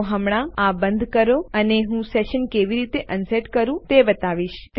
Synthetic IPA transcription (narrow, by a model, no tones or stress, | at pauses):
ɦəmɽ̃aabə̃nd̪ʱkəɾoəneɦũseʃənkeʋiɾit̪eʔənseʈkəɾũt̪ebət̪aʋiʃt̪